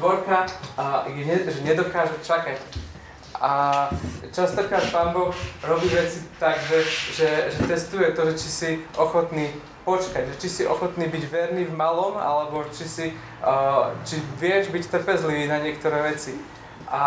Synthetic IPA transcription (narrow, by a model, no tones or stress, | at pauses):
ʋɔɾka | jɛɲɛʒɛɲɛd̪ɔkaːʒɛt͡ʃakac | a | t͡ʃast̪ɔkɾaːt̪̚paːnbɔxɾɔbiːʋɛt͡sit̪aɡʒɛʒɛʒɛt̪ɛst̪ujɛt̪ɔʒɛt͡ʃisiʔɔxɔt̪niː | pɔt͡ʃkaɟʒɛt͡ʃisiʔɔxɔt̪niːbiɟʋɛɾniːvmalɔma̰lɛbɔt͡ʃisi | t͡ʃiʋɪɛʒbict̪r̩pɛzliʋiːnaɲɪɛkt̪ɔɾɛːʋɛt͡si | ʔa